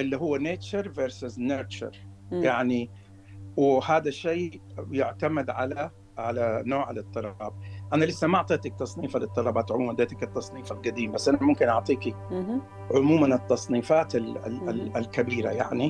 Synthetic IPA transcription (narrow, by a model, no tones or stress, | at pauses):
ʔɪlːiɦʊwːaneːt͡ʃaɾˤveɾsɪzneːt͡ʃa̰ɾˤjaʕni | wɪhaːd̪aʃeːjʊʕt̪amɪd̪ʕala | ʕalanoːʕa̰lat̪ˤːɨlɑːb̚ʔanalɪsːamaʔɑʕt̪ˤeːt̪ak̚t̪ɑsˤniːfalɪt̪ˤːɑlɑbaːt̪ʕʊmuːmand̪eːt̪akɪt̪ːɑsˤniːfalɡad̪iːmbasːʔanamʊmkɪnʔɑʕt̪ˤiːki | ʕʊmuːmanɪt̪ːɑsˤniːfaːt̪al̰ɪlkabiːɾa̰ja̰ʕni